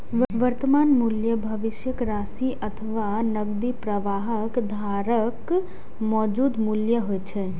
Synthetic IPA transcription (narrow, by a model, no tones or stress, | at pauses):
ʋəʋəɾt̪əmaːnmuljəbʱəʋɪʃjəkɾaːsiʔət̪ʰəʋanəɡd̪ipɾəʋaːɦəkd̪ʱaːɾək | mɔːd͡ʒuːd̪muljəɦojt͡ʃʰɛ